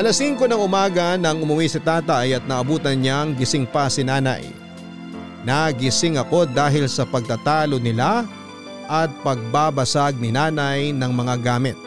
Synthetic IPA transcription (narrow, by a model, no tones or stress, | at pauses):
ʔɐlɐsiŋko̞nɐŋʔʊmaːɡɐnɐŋʊmʊwisɪt̪aːt̪ɐjɐt̪̚nɐʔɐbuːt̪ɐnɲaŋɡɪsɪŋpɐsɪnaːnɐ̰j | naɡɪsɪŋɐko̞d̪aːɦɪlsɐpɐɡ̚t̪at̪aːlonɪla | ʔɐt̪̚pɐɡ̚babɐsaɡ̚nɪnaːnɐjnɐŋmɐŋaɡaːmɪt̪̚